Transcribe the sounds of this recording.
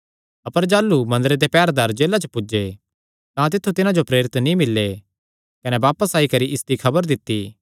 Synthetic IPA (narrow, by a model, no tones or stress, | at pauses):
ɐpəɾd͡ʒaːlːumɐ̃nd̪ɾed̪epɛːɾd̪aːɾd͡ʒeːlat͡ʃəpʊd͡ʒe | t̪ãt̪̬ɪt̪ʰːut̪ɪnãd͡ʒopɾeːɾɪt̪nĩmɪlːe | kɐnebaːpəsaːikɐɾiʔɪsd̪ikʰɐbəɾd̪ɪt̪ːiː